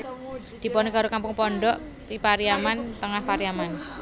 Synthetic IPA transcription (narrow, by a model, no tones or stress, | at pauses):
d̪̥i̤pɔneɡa̤ɾokampʊŋpɔɳɖɔʔ | t̪ipaɾiamant̪əŋahpaɾiaman